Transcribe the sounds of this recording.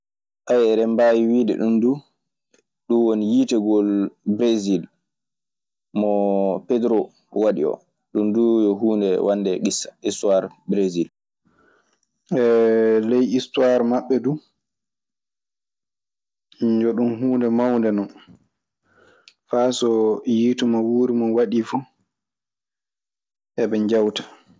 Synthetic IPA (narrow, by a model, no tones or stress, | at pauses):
ʔajɛɾɛmbajiwiːdɛ̰ɗumdu | ɗunwonijitɛɡɔlbɾezil | mɔpɛdɾo | waɗḭɔ̰ | ɗundujɔɦuːndɛwʔanːdɛɡisḁistuwaɾ | bɾezil | ɛlɛjistwaɾmaɓːɛdu | ɲd͡ʒɔɗumɦuːndɛmawndɛnɔn | fasɔjiːtumawuːɾimɔnwaɗifu | ʔɛbɛɲd͡ʒawtḁ